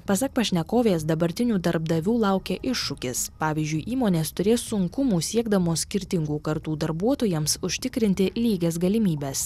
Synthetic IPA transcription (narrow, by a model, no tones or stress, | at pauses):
pɐsɐk̚pɐʃʲnʲɛkoːʋʲeːs̬d̪ɐbɐɾʲt̪ʲɪnʲuːd̪ɐɾbd̪ɐʋʲuːlˠɑʊkʲeːʔɪʃːʊkʲɪspɑːʋʲizʲd͡ʒʲʊɪʔiːmoːnʲeːst̪ʊɾʲeːsʊŋkʊmuːsʲiɛɡd̪ɐmoːsʲkʲɪɾʲt̪ʲɪŋɡuːkɐɾt̪uːd̪ɐɾbuɔt̪oːjɛmsʊʃʲt̪ʲɪkɾʲɪnʲt̪ʲɪlʲiːɡʲeːsɡɐlʲɪmʲiːbʲɛs